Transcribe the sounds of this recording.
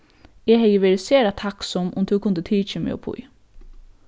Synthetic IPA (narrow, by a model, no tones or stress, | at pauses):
ɛhɛjəʋɛːɾəseːɾat̪ʰaksɔmʔʊ̰mt̪ʰʉkʰʊnd̪ət̪ʰiːt͡ʃəmɛ̰ɔ̰pʰʊ̰j